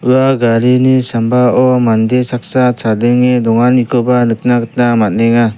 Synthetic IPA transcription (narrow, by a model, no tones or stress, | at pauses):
ɯaɡaɾinisambaɔmand̪esak̚sat͡ʃʰadɯŋed̪ɔŋanikʰɔbanɯk̚naɡɯt̚namat̚neŋa